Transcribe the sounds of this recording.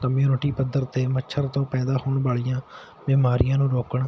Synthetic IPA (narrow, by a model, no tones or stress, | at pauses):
kəmjuːnəʈiːpəd̪əɾt̪eːmətːʃʰəɾt̪õːpɛ̃ːd̪aːhoːɳbaːɭijãː | bɪːmaːɾɪjãːnũːɾoːkəɳ